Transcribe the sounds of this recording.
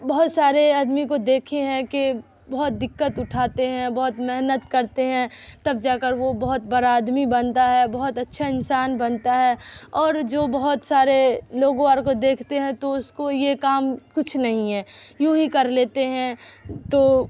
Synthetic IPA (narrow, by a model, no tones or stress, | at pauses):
bɐɦʊt̪saːɾeɐd̪mikod̪eːkʰeɦɛ̃ke | bɐɦʊt̪̚d̪ɪkːət̪ʊʈʰaːt̪eɦɛ̃bɐɦʊt̪mɛɦnət̪kɐɾt̪eɦɛ̃t̪ɐb̚d͡ʒaːkəɾʋobɐɦʊt̪̚bɐɾaːd̪mibɐnt̪aɦɛbɐɦʊt̪ɐtːʃʰaɪnsaːnbɐnt̪aɦɛːɔːɾd͡ʒoːbɐɦʊt̪saːɾeloːɡʋaːɾkod̪eːkʰt̪eɦɛ̃t̪oʊskojekaːmkʊt͡ʃʰnɐɦĩɦɛːjũɦikɐɾleːt̪eɦɛ̃t̪oː